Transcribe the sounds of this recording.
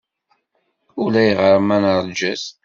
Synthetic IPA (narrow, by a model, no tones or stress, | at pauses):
ulæjʁəɾˤmænəɾˤd͡ʒæs